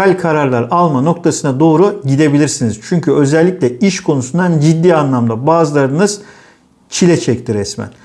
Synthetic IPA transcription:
alʲkʰaɾaɾlˠaɾalˠmano̞k̚t̪ʰasɯnad̪o̞ːɾuɟid̪e̞bilʲiɾsiniz̥t͡ʃʰyɲcʰyø̞zɛlʲːiclʲɛiʃkʰo̞nusund̪and͡ʒid̪ːiːanlˠamd̪abaːzɯlˠaɾd̪ɯnɯz̥ | t͡ʃʰilʲɛt͡ʃʰɛct̪ʰiɾɛsmæ̰n

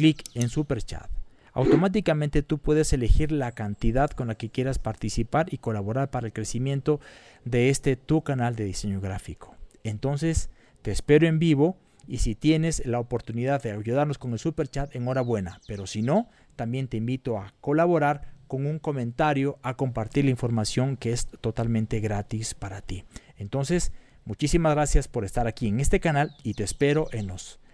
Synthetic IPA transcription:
klikensupeɾt͡ʃa̰t̪ | a̰wt̪o̞mat̪̬ikamẽnt̪e̞t̪upwe̞ðese̞le̞xiɾlakant̪iðaðko̞nlake̞kje̞ɾaspaɾt̪isipaɾiko̞laβo̞ɾaɾpaɾaelkɾe̞simje̞nt̪o̞ | ðe̞est̪e̞t̪ukanald̪e̞ðise̞ɲo̞ɣɾafiko̥ent̪o̞nse̞s | t̪e̞ːspe̞ɾoe̞mbiβo̞ | isit̪je̞ne̞slaopo̞ɾt̪uniðaððeaʝuðaɾnosko̞ŋelsupe̞ɾt͡ʃat̪e̞ŋo̞ɾaβwe̞nape̞ɾo̞sino̞ | t̪ambje̞nt̪e̞imbit̪o̞ako̞laβo̞ɾaɾko̞ŋuŋko̞mẽ̞nt̪aɾjo̞ʔako̞mpaɾt̪iɾlaiɱfo̞ɾmasjo̞ŋkeest̪o̞t̪almẽnt̪e̞ɣɾat̪ispaɾat̪ient̪o̞nses | mut͡ʃisimazɣɾasjaspo̞ɾest̪aɾakie̞ŋest̪e̞kanalit̪espe̞ɾo̞ʔenos

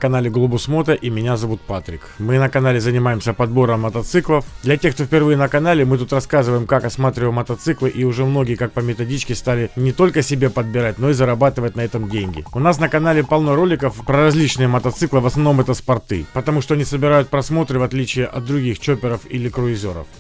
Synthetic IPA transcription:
kɐnalʲɪɡlˠʊbʊsmo̞t̪əʔimʲɪnʲazɐvut̪̚pat̪ɾʲɪkmɨnəkɐnalʲɪzənʲɪmajɪmsʲəpɐd̪bo̞ɾəmːət̪ɐt̪sɨklˠəfd̪lʲɐtʲexk̚t̪ofpʲɪrvɨjənəkɐnalʲɪmɨt̪̬ut̪rɐskazɨvəjɪmkakɐsmat̪ɾʲɪvəmːət̪ɐt̪sɨklˠɨʔiʊʐɛmno̞ɡʲɪjəkak̚pəmʲɪt̪ɐdʲit͡ɕkʲɪst̪alʲɪnʲɪt̪o̞lʲkəsʲɪbʲepəd̪̚bʲɪɾat̚ʲno̞izəɾɐbat̪ɨvətʲnɐɛt̪əmdʲenʲɡʲɪ̰ʊnasnəkɐnalʲɪpɐlˠnoɾo̞lʲɪkəfpɾəɾɐzʲlʲit͡ɕnɨjəmət̪ɐt̪sɨklˠɨvəsnɐvno̞mɛt̪əspɐrt̪ɨ̰pət̪ɐmuʂt̪o̞ɐnʲisəbʲɪɾajʊt̪̚pɾɐsmo̞t̪ɾɨvɐt̪lʲit͡ɕɪjəʔɐ̰d̪̚d̪ɾʊɡʲixt͡ɕopʲɪɾəfḭlʲɪkɾʊɪzʲo̞̰ɾə̰f

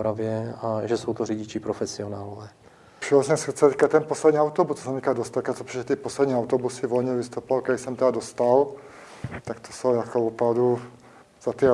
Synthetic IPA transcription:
ɾavjɛaʒɛsowt̪oriɟɪt͡ʃɪpɾofɛsɪonaːlovɛː | pʃiɔsɛsɾt͡sɛt̪i̥kat̪ɛnposlɛd̪ɲiːawt̪obust̪ːosnt̪iːkadost̪atkat̪opɾɛt̪iposlɛd̪ɲiːawt̪obusɪvolɲɛvist̪opovalkɛdɪsɛmt̪ɛdad̪ost̪al | t̪akt̪o̥sowjakoupɾawdu | z̥at̪i

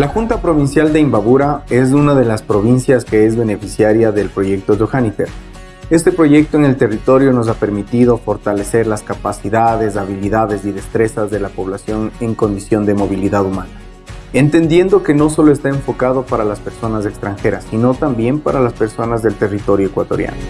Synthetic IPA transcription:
laxunt̪apɾo̞βinsjald̪e̞imbaβuɾae̞s̬unaðe̞laspɾo̞β̞insjaske̞ezβe̞ne̞fisjaɾjaðe̞lpɾo̞ʝe̞k̚t̪o̞doxanifeɾ | e̞st̪e̞pɾo̞ʝe̞k̚t̪oeŋe̞lt̪e̞rit̪o̞ɾjo̞no̞s̬ape̞ɾmit̪iðo̞fo̞ɾt̪ale̞se̞ɾlaskapasiðaðe̞zaβiliðaðe̞ziðe̞st̪ɾe̞sazðe̞lapo̞β̞lasjo̞ne̞ŋko̞nd̪isjo̞nd̪e̞mo̞βiliðaðumãna | e̞nt̪e̞nd̪je̞nd̪o̞ke̞no̞so̞lo̞e̞st̪aeɱfo̞kaðo̞paɾalaspe̞ɾso̞nas̬e̞kst̪ɾaŋxe̞ɾasino̞t̪ambje̞mpaɾalaspe̞ɾso̞nazðe̞lt̪e̞rit̪o̞ɾjoekwat̪o̞̰ɾja̰no

